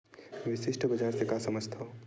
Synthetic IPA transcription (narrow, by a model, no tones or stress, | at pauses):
ʋɪsɪʃʈʰəbəd͡ʒaːɾsekasəməd͡ʒt̪ʰo